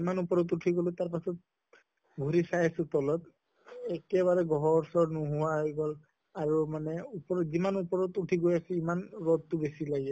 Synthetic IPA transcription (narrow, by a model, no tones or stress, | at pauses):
imanupɔɹɔtuʈʰiɡɔltaɹpasɔt̚ | bʱuɹisajasʊ̃tɔlɔt̪ | ɛkɛβaɹɛɡɔɦɔɹsɔɹnuɦʊwaɦojɡɔl | aɹumanɛupɔɹɔzimanupɔɹɔtutʰiɡojasɛimanɹɔdtʊbesilaɡɛ